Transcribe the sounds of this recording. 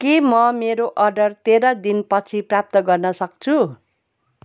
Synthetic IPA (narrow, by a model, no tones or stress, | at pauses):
kemʌmeɾoʔʌrɖʌrt̪eɾʌd̪inpʌt͡sʰiprap̚t̪ʌɡʌrnʌsʌk̚t͡sʰu